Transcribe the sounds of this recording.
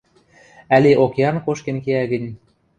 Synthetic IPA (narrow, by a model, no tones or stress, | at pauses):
æleʔokjɑrnkoʃkenkeæɣə̆nʲ